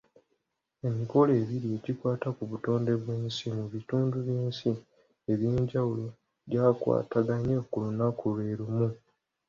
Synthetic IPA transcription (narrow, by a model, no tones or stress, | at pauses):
e̞miko̞leːβiɾie̞ɟikwaːtakuβuto̞ːnde̞βweːnsimuβituːnduβjiːnsi | e̞βjiːɲɟawulo̞ | ɟaːkwa̰ːtaɡaɲekulunakule̞ːɾumu